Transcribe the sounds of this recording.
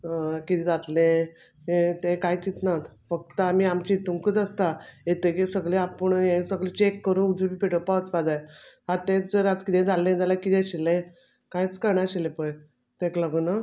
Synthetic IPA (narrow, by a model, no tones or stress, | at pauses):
kit̪ẽd͡zat̪lẽ | ẽt̪ẽkajt͡sit̪nat̪fək̚t̪əmiamt͡ɕiːt̪uŋkət̪əst̪aet̪əkisəɡɭeapəɳjẽsəɡɭet͡ɕekːəɾũnud͡zəbipeʈəpaət͡spad͡zaj | aɾt̪ẽd͡zəɾat͡skit̪ẽd͡zalːẽd͡zalakit̪ɛ̃aɕilẽ | kajt͡skəɾɳaɕilepəj | t̪ẽkləɡəna